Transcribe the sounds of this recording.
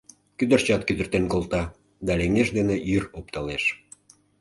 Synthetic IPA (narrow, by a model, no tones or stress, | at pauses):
kyd̪ərt͡ɕɑt̪kyd̪ə̆rt̪enkolt̪ɑ | d̪ɑleŋeʃd̪eneʔyrop̚t̪ɑleʃ